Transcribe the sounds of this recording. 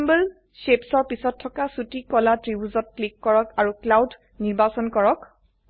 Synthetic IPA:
mbəl | sepsɔɹpisɔtʰːɔkasutikɔlatɹibuzɔt̚klikːɔɹɔkaɹuklawd | niɹbasɔnkɔɹɔk

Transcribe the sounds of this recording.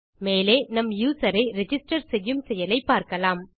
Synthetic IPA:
meːleːnɐmjuːsɐɾɐɪɾɛd͡ʒɪsʈɐɾsɛjːɯmsɛjɐlɐɪpːaːɾkɐlaːm

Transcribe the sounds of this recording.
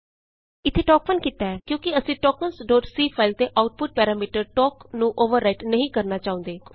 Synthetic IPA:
ɪt̪ʰːeːʈɔːkfənkiːt̪aːɛːkjõːkɪəsĩːʈɔːk̚mənsɖoːʈsiːpʰaːɪlt̪eːʔaːʊʈ̚pʊʈ̚pɛːɾaːmiːʈəɾʈɔːknũːʔoːʋəɾːaːɪʈnəɦĩːkəɾnaːt͡ʃaːʊ̃nd̪eː

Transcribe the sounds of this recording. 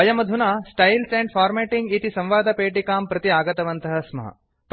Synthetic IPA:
ɐjɐmɐd̪ʱunaːsʈɐjlsẽːɳɖfaːɾmeːʈiŋɡit̪isɐ̃mʋaːd̪ʱɐpeːʈikaːmpɾɐt̪iaːɡɐt̪ɐʋɐnt̪ɐɦɐsmɐ̰ɦɐ̰ | p

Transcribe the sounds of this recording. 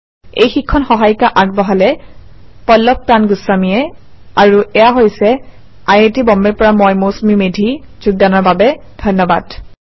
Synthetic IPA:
ejxikʰːɔnxɔɦajkaʔaɡ̚bɔɦalɛ | pɔlːɔp̚panɡusːamijɛ | aɹuʔɛjaɦojsɛ | ajetibɔmbɛɹpɔɹamɔjmosmimedʱi | zuɡ̚danɔɹbabɛdʱɔnːɔba̰d̥

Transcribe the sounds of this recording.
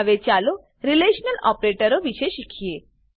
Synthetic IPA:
ʋet͡ɕalo | ɾileɕnəlɔpɾeʈəɾoʋiʃeʃikʰije

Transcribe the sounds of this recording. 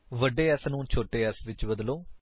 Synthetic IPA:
ʋəɖːeːɛsnũːt͡ʃʰoːʈeːɛsʋɪt͡ʃbəd̪loː

